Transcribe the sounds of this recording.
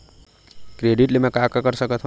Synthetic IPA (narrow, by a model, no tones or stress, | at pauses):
kɾeɖiʈlemekakakəɾsəkət̪ʰɦ